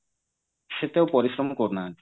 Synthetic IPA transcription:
ʃet̪eopɔɾisɾɔmɔkɔɾna

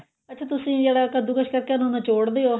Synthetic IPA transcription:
ətːt͡ʃʃʰaːt̪ʊsĩːd͡ʒeːɽaːkəd̪uːkəʃkəɾkenõnãːt͡ʃoːɽd̪eːoː

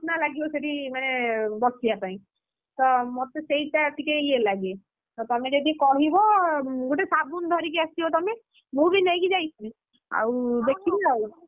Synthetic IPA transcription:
nalaɡibɔseʈimanebɔsijapaĩ | t̪ɔmɔt̪eseitaʈikeielaɡe | t̪ɔt̪amed͡ʒɔd̪ikɔɽ̤ibɔɡoʈesabund̪ʱɔɾikeasiɔt̪ɔme | mũbinejɡid͡ʒajsʰbi | a̰wd̪ekʰibɔaw

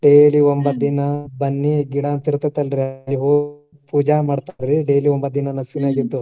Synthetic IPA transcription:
ɖeːliombɐd̪inɐbɐnːiɡiɽaːnt̪iɾut̪ːɐt̪ɐlɾilɦo | puːd͡ʒamaːɖt̪aɾɾiɖeːliʋombɐt̪̚d̪inɐnɐsinaːɡit̪ːu

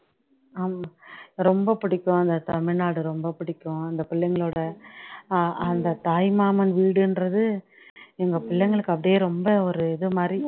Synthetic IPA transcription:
aːmɾɔmbɐpɪɽɪkːʊ̃ɐnd̪ɐt̪ɐmɪɻnaːɽɯɾɔmbɐpɪɽɪkːʊ̃ɐnd̪ɐpɪɭːɛŋɡɐɭoːɽɐ | ɐnd̪ɐt̪aːjmaːmɐnʋiːɽɯɛndɾɐðɯ | ɛŋɡɐpɪɭːɐŋɡɐɭɯkːɯɐpːɐɽɪjeːɾɔmbɐɔɾɯɪðɯmaːd̪ɾi

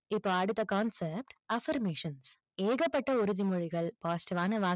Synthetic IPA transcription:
ɪpːoːɐɽɯt̪ːɐkaːnsɛp̚ʈɐfɐɾmeːʂɐns | eːɣɐpːɐʈːɐʊɾɯðɪmɔɻɪɣɐɭpaːsʈɐʋaːnɐʋaː

